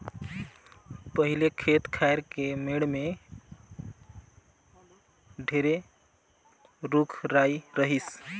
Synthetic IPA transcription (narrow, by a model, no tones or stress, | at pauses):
pəɦilekʰet̪kʰaeɾkemeɽme | ɖʱeɾe | ɾukʰɾajɾəɦis